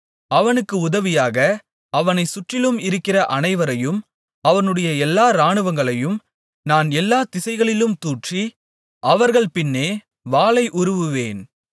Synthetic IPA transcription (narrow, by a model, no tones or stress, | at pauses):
ɐʋɐnɯkːɯʊðɐʋɪjaːɣɐ | ɐʋɐnɐɪsʊʈrɪlɯmɪɾɯkːɪrɐʔɐnɐɪʋɐɾɐjɯm | ɐʋɐnɯɽɐjɐɛlːaːɾaːɳɯʋɐŋɡɐɭɐjɯm | naːnɛlːaːt̪ɪsɐɪɣɐɭɪlɯmt̪uːʈri | ʔɐʋɐɾɣɐɭpɪnːeː | ʋaːɭɐɪʔʊɾɯʋɯʋḛːn